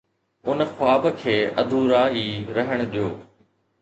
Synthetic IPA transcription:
ʊnxʊaːbkʰeːʔɐ̰d̪ʱuɾaːɦiːɾɐɦəɽ̃ɗijoː

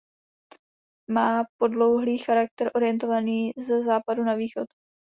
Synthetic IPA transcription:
maːpo̞dlo̞wɦliːxaɾak̚t̪ɛɾʔo̞ɾɪjɛnt̪o̞vaniːzɛzaːpadunaviːxo̞t̪

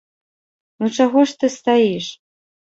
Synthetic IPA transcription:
nut͡ʂaɣɔʂt̪ɨst̪ajiʂ

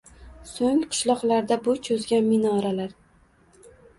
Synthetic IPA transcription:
soŋqʰɨ̥ʃlˠɒqlaɾd̪abʊt͡ʃʰozɡʲanmɪnɒɾalaɾ

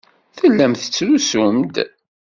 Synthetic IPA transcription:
θəlːæmθə̥t͡sːɾusʊmd̪

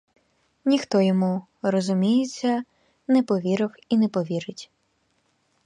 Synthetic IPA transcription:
nʲixt̪ɔjɔmu | rɔzʊmʲijet͡sʲːɐ | nɛpɔʋʲiɾɪwinɛpɔʋʲiɾɪtʲ

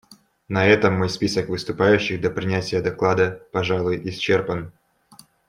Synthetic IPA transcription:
nɐɛt̪əmːojspʲisəkvɨst̪ʊpajʉɕːɪxd̪ɐpɾʲɪnʲætʲɪjəd̪ɐklˠad̪əpɐʐalˠʊjʔɪst͡ɕːerpən

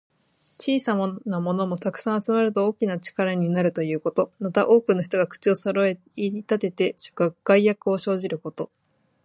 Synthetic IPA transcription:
t͡ɕiːsamonamo̞no̞mo̞t̪akɯ̥sãɰ̃at͡sɨmaɾɯ̟t̪o̞oːkʲinat͡ɕi̥kaɾaɲ̟inaɾɯ̟t̪o̞jɯ̟ːko̞t̪o̞mat̪aʔo̞ːkɯ̟noçi̥t̪o̞ɡakɯ̟̥t͡ɕio̞soɾoe | iɾʲit̪at̪e̞t̪e̞ɕo̥kɯɡ̥aijakɯ̟o̞ɕo̞ːʑiɾɯ̟ko̞t̪o̞

